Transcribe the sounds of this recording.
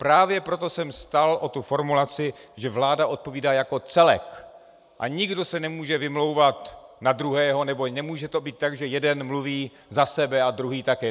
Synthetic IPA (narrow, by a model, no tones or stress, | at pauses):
pɾaːvjɛpɾot̪o̞sɛmst̪alʔot̪ufo̞ɾmulat͡sɪʒɛvlaːdaʔo̞t̪̚po̞viːdaːjako̞t͡sɛlɛ̰k | ʔa̰ɲɪɡdo̞sɛnɛmuːʒɛvɪmlo̞wvat̪nad̪ɾuɦɛːɦo̞nɛbo̞nɛmuːʒɛt̪o̞biːt̪ːaɡʒɛjɛdɛnmluviː | zasɛbɛad̪ɾuɦiːt̪akɛː